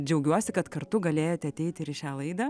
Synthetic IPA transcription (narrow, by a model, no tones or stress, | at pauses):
d͡ʒʲɛʊɡʲuɔsʲɪkɐt̪kɐrt̪ʊɡɐlʲeːjoːt̪ʲɛɐt̪ʲɛɪt̪ʲɪɪɾɪʃʲaːlˠɐɪd̪ɐː